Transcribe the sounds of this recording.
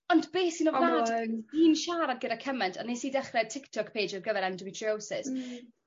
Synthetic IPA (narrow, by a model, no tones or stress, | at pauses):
ɔndbeːsinɔvnaːiːnʃaːɾadɡədakʰəmɛntʰanesiːdɛχrɛtʰɪktʰɔkpʰejd͡ʒɔrɡəðɛɾandəmitʰriosɪs